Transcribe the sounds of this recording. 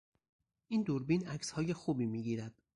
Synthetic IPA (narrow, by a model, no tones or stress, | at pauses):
ʔiːnd̪uɾbiːnæcshɒːje̞xuːbiːmiːɡiːɾæd̪̥̚